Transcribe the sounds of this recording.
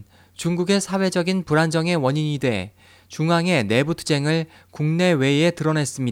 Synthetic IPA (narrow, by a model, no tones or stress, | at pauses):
t͡ɕuŋɡuɡe̞sʰawe̞d͡ʑʌɡinpuɾand͡ʑʌŋe̞wʌɲiɲidwe̞ | t͡ɕuŋɦaŋe̞ne̞butʰu̥d͡ʑe̞ŋɯɭ | kuŋne̞we̞etɯɾʌne̞s͈ɯmɲida